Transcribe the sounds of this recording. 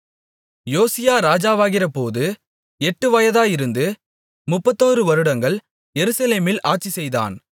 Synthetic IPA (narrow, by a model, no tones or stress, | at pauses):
joːsɪjaːɾaːd͡ʒaːʋaːɣɪrɐpoːðɯ | ɛʈːɯʋɐjɐðaːjɪɾɯnd̪ɯ | mʊpːɐt̪ːoːrɯʋɐɾɯɽɐŋɡɐɭ | jɛɾɯsɐleːmɪlʔaːʈ̚t͡ʃisɛjða̰ːn